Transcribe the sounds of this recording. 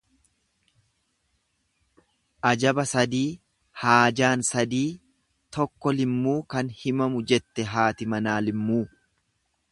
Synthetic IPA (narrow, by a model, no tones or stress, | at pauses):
ʔɐd͡ʒɐbɐsɐd̪iː | haːd͡ʒaːnsɐd̪iː | t̪ɔkːɔlɪmːuːkɐnhɪmɐmʊd͡ʒɛt̪ːɛɦaːt̪ɪmɐnaːlɪmːuː